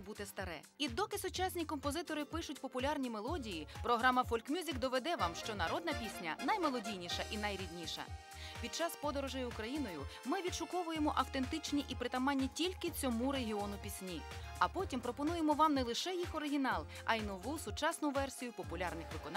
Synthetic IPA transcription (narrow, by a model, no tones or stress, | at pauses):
but̪ɛst̪ɐɾɛ̰ | id̪ɔkɪsʊt͡ʃasʲnʲikɔmpɔzɪt̪ɔɾɪpɪʃʊtʲpɔpʊlʲarnʲimelˠɔdʲijipɾɔɦɾɑmɐfɔlʲkmʲjuzʲikd̪ɔʋed̪ɛʋamʃt͡ʃɔnɐɾɔd̪nɐpʲisʲnʲɐ̰nɐjmelˠɔdʲijnʲiʃɐʔinɐjɾʲid̪ʲnʲiʃɐ̰ | pʲid̪̚t͡ʃɑspɔd̪ɔɾɔʒɛjʊkɾɐjinɔjʊmɪʋʲid̪ʃʊkɔʋʊjemɔʔɐwt̪e̞nt̪ɪt͡ʃnʲiʔipɾɪt̪ɐmɑnʲːitʲilʲkɪt͡sʲɔmuɾeɦʲiɔnʊpʲisʲnʲi | ɐpɔtʲimpɾɔpɔnujemɔʋɑmnɛlˠɪʃɛjixɔɾɪɦʲinɑlˠ | ɐjinɔʋusʊt͡ʃɑsnʊʋɛrsʲijʊpɔpʊlʲarnɪxʋɪkɔn